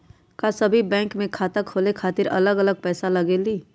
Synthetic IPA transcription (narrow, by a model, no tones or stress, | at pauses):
kasɐbʱibɛ̃ːŋkmẽkʰaːt̪əkʰoːlekʰaːt̪ɪɾɐ̰ləɡɐləɡ̚pɛːsalɐɡeliː